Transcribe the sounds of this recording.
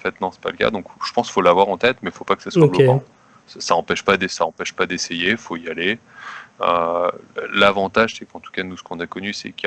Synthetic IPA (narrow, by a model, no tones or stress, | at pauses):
fɛt̪nɑ̃sɛ̥pa̰ləka̰d̪ɔ̃kʒ̥ə̥pɑ̃sfolavwaʁɑ̃t̪ɛt̪mɛfopakə̥saswabluɑ̃ | sasaɑ̃pɛʃpad̪saɑ̃pɛʃpad̪esejefoijale | ø̰ | lavɑ̃t̪aʒsɛkɑ̃t̪u̥kanusə̥kɔ̃nakɔnysɛ̰kʲja